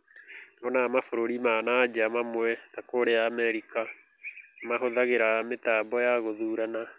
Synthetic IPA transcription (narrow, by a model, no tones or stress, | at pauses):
nɔnamafoɾoɾimanad͡ʒamamwɛtakoɾeaːmɛɾika | maɦoðaɣeɾametaːbɔjaɣoðuːɾana